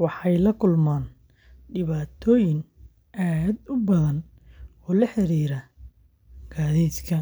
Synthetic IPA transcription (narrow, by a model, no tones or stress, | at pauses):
wɑħɑjlɐkʰʊlmaːn | ɖɪβaːt̪ʰɔːjɪŋ | ʔaːd̪ʊbɐðɐn | ɔːlɐħɪɾiːɾɐ | ɡ̥aːðiːd̪kʰɐ